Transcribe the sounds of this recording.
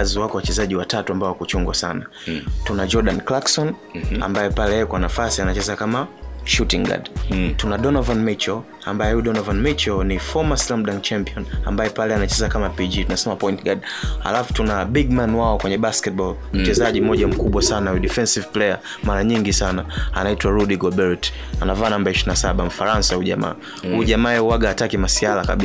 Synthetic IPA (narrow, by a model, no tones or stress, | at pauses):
zwakɔwat͡ʃɛzaʄiwatatuambaɔwakut͡ʃuŋɡwasanatunad͡ʒɔɗanklaksɔn | a̰mbajɛpalɛjɛɛkwanafasianat͡ʃɛzakamaʃutiŋɡa̰dtunaɗɔnavanmit͡ʃɔ | a̰mbajɛhuɗɔnɔvanmit͡ʃɔnifɔmaslamɗaŋt͡ʃampiɔna̰mbajɛpalɛanat͡ʃɛzakamapid͡ʒitunasɛmapɔintɡad | ha̰lafu̥tunaɓiɡ̚manwaɔkwɛɲɛɓaskɛt̚ɓɔl | m̩t͡ʃɛzaʄim̩ɔʄam̩kuɓwasanauɗifɛnsivplɛja | maɾaɲiŋɡisanaa̰naitwaɾudiɡɔbɛɹt | anavaːnambaiʃinasaɓam̩faɾansahuʄa̰ma̰ː | huʄamaːɛuwaɡaːtakimasialaka̰ɓi